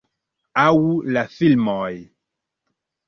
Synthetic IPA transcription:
awulafilmɔj

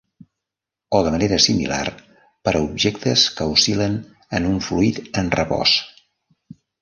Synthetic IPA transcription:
oðəməneɾəsimḭla̰r | pəɾəubʒekt̪əskəusilən | ənuɱfluit̪ənrəβɔ̰s

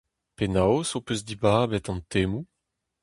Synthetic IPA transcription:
penawsopøzd̪ibaːbɛt̪ɑ̃nt̪emu

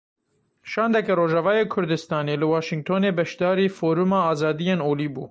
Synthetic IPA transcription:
ʃɑːnd̪ɛkɛɾoːʒɛvɑːjeːkʰʊɾd̪ɨst̪ɑːneːlɨwɑːʃɪŋɡ̚t̪ʰoːneːbɛʃd̪ɑːɾiːfoːɾumɑːɑːzɑːd̪ijeːnoːliːbṵː

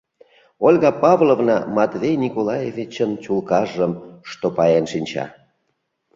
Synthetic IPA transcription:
olʲɣɑpɑvlˠovnɑmɑt̪vejnʲikolɑjevʲit͡ɕənt͡ɕulkɑʒəmʃt̪opɑjenʃinʲt͡ɕɑ̰

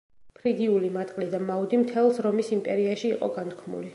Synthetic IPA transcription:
pʰɾid̪iulimat̪ʼqʼlid̪amaud̪imt̪ʰɛlˠsɾɔmisimpʼɛɾiaʃiːqʼɔ̰ɡant̪̚ʰkʰmṵli

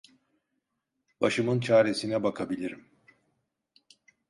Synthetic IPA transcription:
b̥aʃɯmɯnt͡ʃʰaːɾe̞sinɛbakʰabilʲiɾim

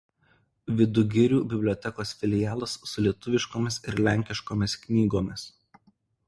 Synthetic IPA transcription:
ʋʲɪd̪ʊɡʲɪɾʲuːbʲɪbʲlʲɔːt̪ʲɛkoːsfʲɪlʲɪjæːlˠɐsːʊlʲiɛt̪ʊʋʲɪʃkoːmʲɪsɪɾlʲæˑŋʲkʲɪʃkoːmʲɪsknʲiːɡoːmʲɪs

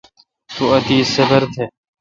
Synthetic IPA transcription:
t̪uət̪iːsebəɾt̪ʰeː

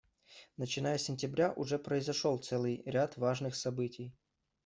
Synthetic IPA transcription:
nət͡ɕɪnajəsʲɪnʲtʲɪbɾʲaʔʊʐɛpɾəɪzɐʂolˠt̪sɛlˠɨjɾʲat̪vaʐnɨxsɐbɨtʲɪj

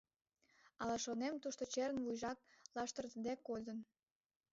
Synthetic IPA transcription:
ɑlɑʃonemt̪uʃt̪ot͡ɕeɾənβujʒɑk̚lɑʃt̪ərt̪əd̪ekːod̪ən

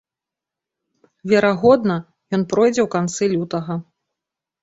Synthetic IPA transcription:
vʲɛɾaɣɔd̪nɐ | jɔnpɾɔjd͡zʲɛwkant̪sɨlʲut̪ɐɣɐ

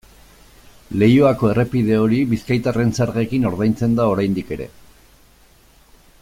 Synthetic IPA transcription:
le̞joako̞e̞re̞piðe̞o̞ɾiβiskajt̪are̞nsaɾɣe̞kino̞ɾðajnt͡se̞nd̪ao̞ɾajnd̪ike̞ɾe̞̰

